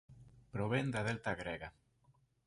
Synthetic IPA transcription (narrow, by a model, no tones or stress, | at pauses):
pɾoβend̪aðelt̪aɣɾeɣa